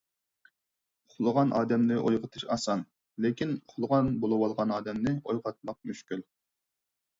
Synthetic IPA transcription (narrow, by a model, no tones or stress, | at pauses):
χʰʊlˠəʁɑnʔɑːd̪ɛmnɪʔojʁət̪ʰɨʃɑsɑn | lekʲinχʰʊlˠəʁɑnbolˠɨwɑlˠʁɑnɑːd̪ɛmnɪojʁɑt̪̚mɑq̚myʃkʲyl